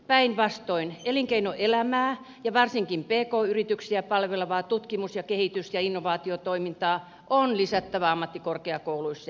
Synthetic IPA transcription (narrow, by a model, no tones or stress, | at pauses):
pæinʋɑst̪oineliŋkeinoʔelæmæː | jɑʋɑrsiŋkimpeːkoːyrit̪yksiæpɑlʋeleʋɑːt̪ut̪kimusjɑkehit̪ysjɑinːoʋɑːt̪iot̪oimint̪ɑː | ʔonlisæt̪ːæʋæɑmːɑt̪ːikorkeɑkouluisːɑ